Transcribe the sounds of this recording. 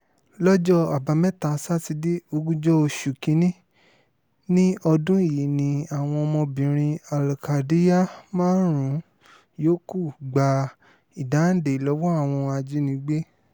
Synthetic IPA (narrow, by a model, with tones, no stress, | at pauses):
lɔ˦d͡ʒɔ˦a˨ba˧mɛ̃˦ta˨˦sa˦ti˧de˦o˧ɡũ˦d͡ʒɔ˦o˧ʃu˨kĩ˨˦nĩ˦ | nĩ˦ɔ˧dũ˦i˦˨ji˨nĩ˧a˨w̃ɔ̃˧ɔ˧mɔ̃˧bĩ˨ɾ̃ĩ˧a˨la˨ka˨di˨˦ja˦mãː˦ɾũ˨˦ | joː˦ku˦˨ɡ͡ba˧ | i˨da˨˦n̩˦de˨i˨lɔ˨˦wɔ˦a˦˨w̃ɔ̃˧a˧d͡ʒi˦nĩ˧˦ɡ͡be˦